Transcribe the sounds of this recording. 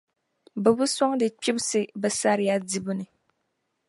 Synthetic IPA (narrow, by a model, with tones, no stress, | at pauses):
bɨ˨bu˦sɔ˦ŋdɨ˨k͡pi˦bsɨ˦bɛ˨sa˦ɾɪ˨ja˦di˨bu˦nɨ˨